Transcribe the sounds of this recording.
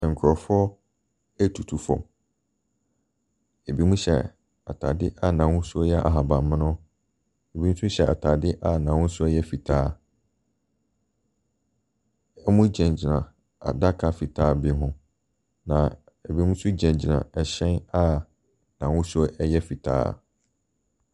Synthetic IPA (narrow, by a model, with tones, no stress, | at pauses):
ŋ̩˨kʰʊ˨ɾɔ˨fʊ˦ɔ˦ | æ˦tʰu˨tʰu˨fɔ̰̃˨m | e˨bi˦mũ˦ɕɛ̰˨ | a̰˨tʰa̰˨dɪ˦ʔa˦nã˨wʊ̃˦sʊ˦ɔ˦jɛ˦a̰˨ɦa˨bã˨m˨mɪ̃˦nʊ̃˦ | e˨bi˦m̩̃˦sʊ˦ɕɛ˨a̰˨tʰa˨dɪ˦ʔa˦nã˨wʊ̃˦sʊ˦ɛ˦jɛ˦fi˨tʰaː˦ | ɛ˦mʊ̃˦d͡ʑɛ̃˨ɲ˨d͡ʑi˨nã˨ | a̰˨da˦kʰa˦˨fi˨tʰaː˦bɪ˦ɦʊ̃˦ | nã˨ | e˨bi˨˦mũ˦sʊ˦d͡ʑɛ̃˨ɲd͡ʑi˨nã̰˨ɛ˨ɕɛ̃˦na˦ | nã˨wʊ̃˦sʊ˦o˦ʔɛ˦jɛ˦fi˨tʰa̰ː˦˨